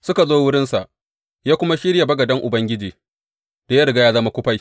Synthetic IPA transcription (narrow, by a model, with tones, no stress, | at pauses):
sʊ˦ka˨zoː˦wʊ˦ɽɪ˦nsa˨ʔ | jaː˦kʷʊ˦ma˦ʃɪ˦ɽja˨bɐ˦ɡɐ˨dɐ˦ŋʔʊ˨bɐ˦ŋɡʲɪ˦d͡ʒiː˨ | d̥a˨ja˦ɽɪ˨ɡa˦jaː˦zɐ˦ma˦kʷʊ˦ɸa˦j